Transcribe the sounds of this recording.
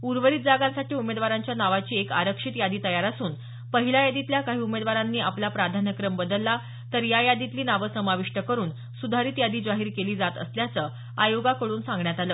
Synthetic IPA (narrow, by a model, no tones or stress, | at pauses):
uɾʋəɾiːt̪̚d͡zaɡãnsaʈiːumed̪ʋaɾaɲt͡ɕjanaʋat͡ɕiːeka̰ɾəkʂit̪jad̪iːt̪əjaɾasuːn | pəɦilajad̪it̪ljakaɦiːumed̪ʋaɾanːiːaplapɾad̪ʱanəkɾəmbəd̪əlːa | t̪əɾjajad̪it̪liːnaʋəsəmaʋiʂʈəkəɾuːn | sud̪ʱaɾiːt̪jad̪iːd͡zaɦiːɾkeliːd͡zat̪ə̰sljat͡səː | ajoɡakəɽuːnsãŋɡɳjat̪aləː